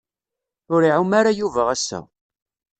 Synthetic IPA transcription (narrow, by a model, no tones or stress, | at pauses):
ʊɾiʕumaɾajuvəʁæsːæ̰